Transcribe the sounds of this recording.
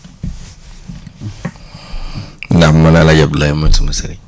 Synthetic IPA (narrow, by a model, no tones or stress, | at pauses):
namːanalad͡ʒablajamantumasaɾi